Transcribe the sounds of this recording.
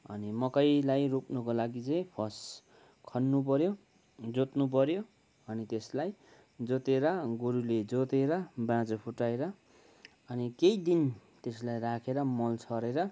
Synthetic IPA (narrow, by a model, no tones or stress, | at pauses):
ʌ̰nimʌkʌjlajrupnukolaɡit͡sʌj̃pʰʌs | kʰʌnːup̬ʌɾjo | d͡zot̪nup̬ʌɾjo | ʌnit̪eslaj | d͡zot̪eɾʌɡoɾuled͡zot̪eɾʌbãd͡zopʰuʈːaeɾʌ | ʌnikejd̪int̪eslajrakʰeɾʌmʌlt͡sʰʌɾeɾʌ